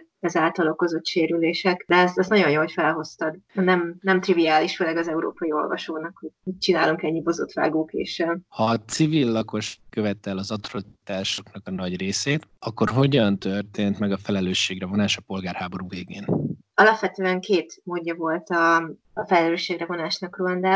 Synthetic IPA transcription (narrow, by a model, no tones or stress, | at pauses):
ɛzaːlt̪ɒlo̞ko̞zo̞t̪ʃeːɾyleːʃɛkd̪ɛɛzɛznɒɟo̞njoːɦo̞cfɛlɦo̞st̪ɒɡ̪nɛmnɛmt̪rivijaːliʃføːlɛɡɒzɛuɾo̰ːpɒjio̞̰lvɒ̰ʃoːnɒkho̥hoc̚t͡ʃinaːluŋkɛɲːibo̞zo̰t̪ʋa̰ːɡoːkḛːʃɛhɒt̪sivilːɒko̞ʃkøvɛt̪ɛlɒzɒt̪rot̪aːʃoknɒkɒnɒɟreːseːt̪ɒkːo̞rɦo̞ɟɒnt̪ørt̪eːnt̪mɛɡɒfɛlɛløːʃːeːɡrɛvo̞naːʃɒpo̞lɡaːrhaːbo̞ɾuveːɡeːn | ɒlɒpʋɛt̪øːɛŋkeːt̪moːdːɒvo̞lt̪ɒː | fɛlɛløːʃːeːɡrɛvo̞naːʃnɒkroɒnd̪aː